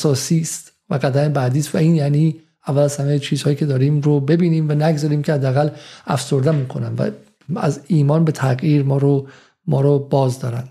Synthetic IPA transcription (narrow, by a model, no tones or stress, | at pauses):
æsɒːsiːst̪ | væɡæd̪æmebæd̪iːst̪væiːnjæniː | ævːælæzhæmejt͡ʃʰiːz̥hɒːjiːcʰe̞d̪ɒːɾiːmɾobe̞biːniːmvænæɡzɒːɾiːmcʰehæd̪ːeæɣælæfso̞ɾd̪emuːkʰo̞næmvæ̰ | æ̰ziːmɒːnbe̞t̪ʰæɣjiːɾmɒːɾo | mɒːɾobɒːzd̪ɒːɾænd̥̪